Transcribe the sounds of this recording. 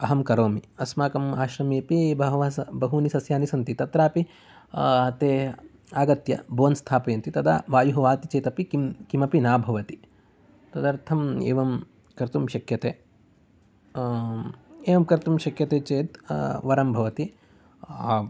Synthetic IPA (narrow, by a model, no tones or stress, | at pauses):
ɐɦɐmkɐɾoːmiɐsmaːkɐmaːʃɾɐmeːpiːbʱɐɦʋasɐbɐɦunisɐsjaːnisɐnt̪it̪ɐt̪ɾaːpi | ɐt̪eː | aːɡɐt̪jɐ̰bʱoːnst̪ʰaːpɐjɐnt̪it̪ɐd̪a̰ːʋaːjuɦɐʋaːt̪it͡ʃeːt̪ɐpikikimɐpinaːbʱɐʋɐt̪i | t̪ɐd̪ɐɾt̪ʰɐmḛːʋɐm | kɐɾt̪umʃɐkjɐt̪eː | eːʋɐmkɐɾt̪umʃɐkjɐt̪eːt͡ʃeːt̪ʋɐɾɐmbʱɐʋɐt̪i